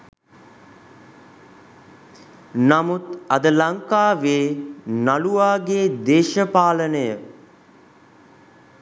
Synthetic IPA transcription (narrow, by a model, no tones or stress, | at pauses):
namut̪ɐd̪əlaŋkaːʋeːnaluaːɡeːd̪eːʃəpaːlənəjə